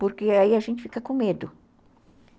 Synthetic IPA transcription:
poɾkeaiɐʒẽnt͡ʃɪ̥fikɐkõmed̪ʊ

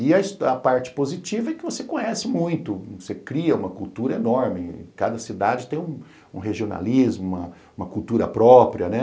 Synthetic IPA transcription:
ɪɐisɐpaɾt͡ʃɪ̥pozit͡ʃivɐɛkɪvosekõɲɛsɪmũj̃t̪ʊosekɾiɐũmɐkult̪uɾɐenɔɾmɪkad̪ɐsid̪ad͡ʒɪt̪ẽj̃ũ | ũɦeʒiona̰lizmʊũmɐ | ũmɐkult̪uɾɐ̰pɾɔpɾiɐnɛ

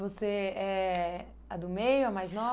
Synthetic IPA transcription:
voseɛ | ɐd̪ʊmejʊɐmajznɔ

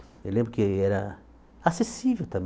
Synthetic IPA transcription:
ewlẽmbɾʊkɪɛɾɐ | asesivewt̪ɐ̃b

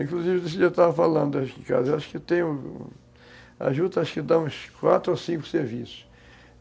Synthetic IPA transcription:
ĩŋkluzivɪd̪es̬ɪʒat̪avɐfalɐ̃nd̪ʊaʃkɪĩka̰zɐewaʃʊ̥kɪt̪ẽj̃ʊ̃ | a̰ʒud̪ɐaʃʊ̥kɪd̪ãũskwat̪ɾʊosĩŋkʊ̥seɾvisʊ̥ʃ

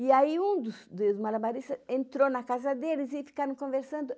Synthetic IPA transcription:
ɪaiũd̪ʊsd̪ʊzmalabaɾist̪ɐẽnt̪ɾonɐkazɐd̪elɪzɪfi̥kaɾɐ̃w̃kõveɾsɐ̃nd̪ʊ

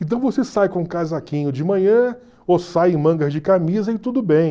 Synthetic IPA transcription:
ẽt̪ɐ̃w̃vosesajkõũkazakĩɲʊd͡ʒɪmɐ̃ɲɐ̃ | osajẽmɐ̃ŋɡɐzd͡ʒɪkamizɐɪt̪ud̪ʊbẽj̃

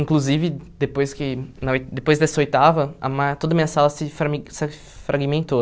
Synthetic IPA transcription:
ĩŋkluzivɪd̪epojskɪnɐojd̪epojzd̪ɐsɐojt̪avɐɐ̰mat̪od̪ɐmĩɲɐsalɐsɪfɾs | fɾʔaɡimẽnt̪o

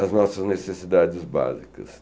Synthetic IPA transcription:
ɐznɔsɐznesesid̪ad͡ʒɪzba̰zikɐ̰s

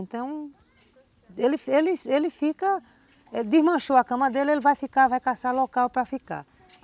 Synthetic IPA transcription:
ẽnt̪ɐ̃w̃ | elɪfelɪelɪfikɐ | elɪd̪ɪzmɐ̃ʃoɐkɐ̃mɐd̪elɪelɪvajfikavajkasalokawpɾɐfika̰

